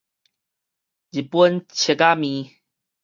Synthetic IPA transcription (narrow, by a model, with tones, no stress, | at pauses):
d͡ʑi˨pwə˦nt͡ɕʰe˨˧˨ka˦mĩ˨˦